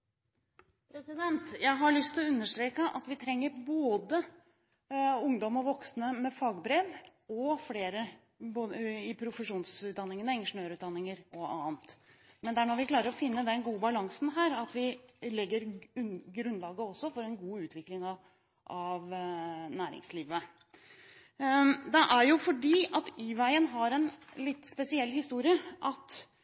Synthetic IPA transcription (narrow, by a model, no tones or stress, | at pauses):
pʰɾɛsɪd̪ɛnt̪jæɪɦɑɭʏst̪ʰɪlɔʉnːəʂʈ̪ɾeːkəʔɑ̰t̪ʋɪt̪ʰɾɛŋːəɾboːd̪ə | ʊŋd̪ɔmɔʋɔksnəmɛfɑːɡbɾeʋ | ɔfleːɾə | boːɪpʰɾʊfəʂuːnsʉt̪̚d̪ɑnːɪŋənəɛŋəʂʊnøːɾʉːt̪d̪ɑnːɪŋəɾɔɑ̰ːnt̪mɛnd̪ɛæɳɔːʋɪkʰlɑːɾəɾɔfɪnːəd̪ɛnɡuːəbɑlɑŋsn̩ɦæːɾɑt̪ʋɪlɛɡːəɾɡɾʉnːlɑːɡəɔsːɔfɔɾɛnɡuːʉːt̪ʰʋɪklɪŋɑ | ʔɑʋnæːɾɪ̰ŋsliːʋə | d̪ɛʔæɾjʊfɔɖiːʔɑt̪yːʋæɪənɦɑɾɛnlɪt̪ːspɛsɪɛlːhɪst̪uːɾɪəʔɑt̪